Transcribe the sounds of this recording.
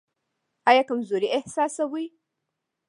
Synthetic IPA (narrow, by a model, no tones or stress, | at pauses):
ʔajakɨmzoɾiʔɪhsaːsɐwij